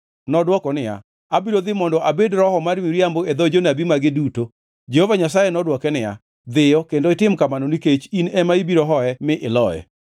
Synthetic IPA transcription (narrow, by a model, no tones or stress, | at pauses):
nɔdwɔkɔnɪja̰ | abiɾod̪ɪmɔndɔʔabedɾɔhɔmaɾmiɾjamboed̪ɔd͡ʒonabimaɡɪduto | d͡ʒɛhovaɲasajɛnɔdwɔkɛnɪja̰ | d̪ɪjɔkendoɪtɪmkamanoniket͡ʃinɛmaibiɾoɦɔɛmɪʔɪlɔjɛ̰